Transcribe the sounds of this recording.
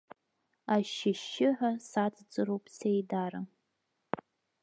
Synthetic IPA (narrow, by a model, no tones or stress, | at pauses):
aʃɪʃɪʕʷasat͡sʰʼd͡zɨɾowpʼsejdaɾa